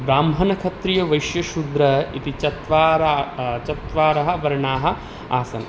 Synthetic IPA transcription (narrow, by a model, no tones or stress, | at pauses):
bɾaːmɦɐnɐkʰɐt̪ɾijɐʋɐjʃjɐʃud̪ɾɐit̪it͡ʃɐt̪ʋaːɾt͡ʃɐt̪ʋaːɾɐɦɐ̆ʋɐɾɐɳaːɦɐ̆ | aːsɐnɐ